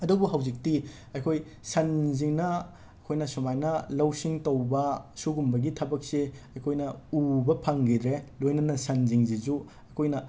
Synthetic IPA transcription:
ɐdubuɦɐwzik̚ti | ɐjkʰoj | sɐnziŋnɐ | kʰojnɐsumajnɐlɐwsiŋtɐwbɐsuɡumbɐɡitʰɐbɐk̚seɐjkʰojnɐubɐpʰaŋɡidɾelojnɐnɐsɐnziŋzizu | ɐkʰojnɐ

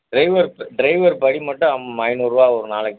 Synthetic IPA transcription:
ɖɾɐɪʋɐɾɖɾɐɪʋɐɾpɐɽimɐʈːɐ̃ɐmmɐjnuːɾʋaːɔɾɯnaːlɐkː

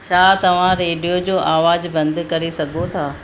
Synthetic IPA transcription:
t͡ɕʰaːt̪ɐʋ̤ãɾeːɖijod͡ʑoːʔaːʋaːd͡ʑbɐ̃nd̪kɐɾisɐɡʱot̪ʰaː

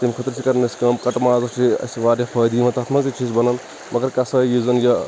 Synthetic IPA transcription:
t̪imkʰɐt̪ɾt͡ʃʰikɐɾneskaːmkɐʈmaːzɐsʈʰiɐ̰sʋaːɾjɐpʰɐːjd̪imɐt̪aːt̪ʰmɐkzit͡ʃʰiːzbɐnɐn | mɐɡɐɾkɐsɐjuzɐnja

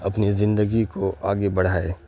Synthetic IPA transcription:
ɐpnizɪ̃nd̪əɡikoaːɡebɐɽ̤aːeː

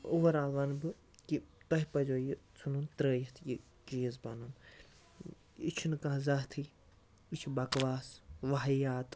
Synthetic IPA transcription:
uʋɐɾaʋɐnbɨ | kit̪ɐɦipɐd͡ʒoːjit͡sʰununt̪ɾəːjit̪ʰji | t͡ʃiːzbɐnun | it͡ʃʰunɨkãɦzɐɦt̪ʰi | it͡ʃʰibɐkʋaːsʋɐɦɐjaːt̪

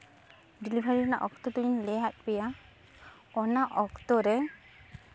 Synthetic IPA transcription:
ɖilibʱaɾiɔnaʔɔkt̪ɔt̪uinlɛat̪̚bɛja | ɔnaʔɔkt̪ɔɾɛ

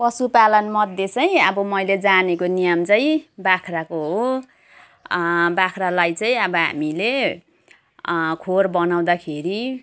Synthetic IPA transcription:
pʌsupalʌnmʌd̪ʱjet͡sʌj̃ʌbʌmʌjled͡zanekonijʌmt͡sʌĩbakʰrakoɦo | bakʰralajt͡sʌĩʌbʌɦa̰mile | kʰorbʌnaw̃d̪akʰeɾi

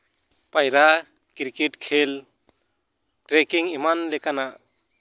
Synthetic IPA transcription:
pajɾa | kiɾkɛʈkʰɛl | ʈɾɛkiŋimanlɛkanaʔ

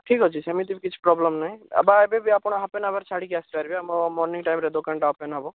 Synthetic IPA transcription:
ʈʰikɦɔt͡ʃʰisamit̪ibikit͡ʃʰu̥pɾɔblemnaɦĩa̰baebebiapɔɽ̃ɔɦapenabaɾt͡ʃʰaɽikast̪aɾibemɔmɔɾniŋʈajmɾed̪okaɳʈaɦɔpenɦɔbɔ

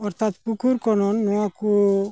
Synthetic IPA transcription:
ɔɾt̪at̪pukʰuɾkɔnɔnːɔaku

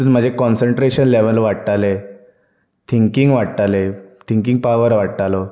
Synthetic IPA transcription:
unm̤əd͡ʑʱekɔnsəɳʈɾeɕənleʋəlʋaɽtale | t̪ʰiŋkiŋɡʋaɽʈ̪alet̪ʰiŋkiŋɡ̚paʋəɾʋaɽt̪alɔ

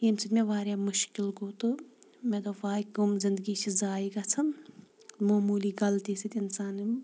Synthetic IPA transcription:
jemsit̪mẽʋaːɾjamʊʃkɪlɡoːt̪omẽd̪oʋaːiɡumzɪnd̪əɡit͡ʃʰizaːiɡat͡sʰɐ | moːmuːliɡɐlt̪isit̪ɪnsaːnim

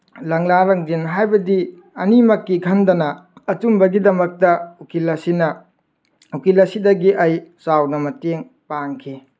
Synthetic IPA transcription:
lɐŋlaɾɐŋdinɦajbɐdi | ɐnimɐkːikʰɐndɐnɐɐtumbɐɡidɐmɐk̚tɐukilɐsinɐ | ukilɐsidɐɡiʔɐjsawnɐmɐteŋ | paŋkʰi

